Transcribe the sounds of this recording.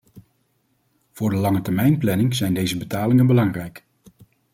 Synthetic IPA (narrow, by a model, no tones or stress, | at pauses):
v̥ʊːɹdəlɑŋətɛɹmɛjnplɛnɪŋzɛjndejzəbətaːlɪŋənbəlɑŋrɛjk